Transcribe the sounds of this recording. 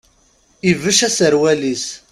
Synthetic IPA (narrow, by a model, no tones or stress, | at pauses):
ivəʃæsəɾwælis